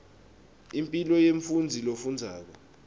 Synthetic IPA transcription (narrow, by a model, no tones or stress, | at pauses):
impʼilɔjeɱfund͡zʱilofund͡zʱaːk̬ɔ